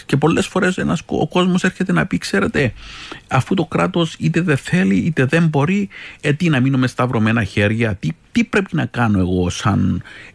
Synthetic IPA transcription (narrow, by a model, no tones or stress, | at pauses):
ce̞po̞lːe̞sfo̞ɾe̞senɐso̰ko̞zmo̞se̞ɾçe̞t̪e̞nɐpikse̞ɾe̞t̪e̞ɐfut̪o̞kɾɐt̪o̞sit̪e̞ðenθe̞liit̪e̞ðe̞mbo̞ɾiet̪inɐminume̞st̪ɐvɾo̞me̞nɐçe̞ɾʝɐt̪it̪ipɾe̞pinɐkɐno̞e̞ɣo̞sɐn